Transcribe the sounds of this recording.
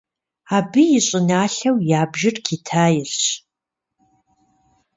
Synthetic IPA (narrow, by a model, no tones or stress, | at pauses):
aːbɨjɪɕʼɪnaːɬɐwjaːbʒɪrkʰitʰaːjɪrɕ